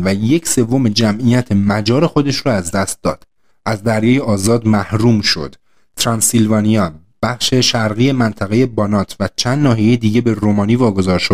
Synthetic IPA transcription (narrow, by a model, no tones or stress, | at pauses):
væje̞cʰse̞vːo̞med͡ʒæmʔijæt̪ʰemæd͡ʒɒːɾe̞xo̞d̪e̞ʃɾɔæzd̪æst̪̚d̪ɒːd̪̥ | ʔæzd̪æɾjɒːjeɒːzɒːd̪mæhɾuːmʃo̞̰d̪̥ | t̪ʰɾɑnsilvɒːnijɒ | b̥æχʃe̞ʃæɾɣije̞mænt̪ʰæɣe̞je̞bɒnɒːt̪ʰvæt͡ʃʰænd̪nɒːɦijejed̪iːɟe̞be̞ɾomɒːniːvɒːɡo̞zɒːɾʃod̪